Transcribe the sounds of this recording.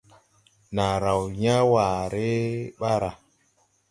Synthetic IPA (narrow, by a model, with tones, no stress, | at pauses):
na˨ɾa˨wɲa˦wa˨ɾe˦ɓa˦ɾa˨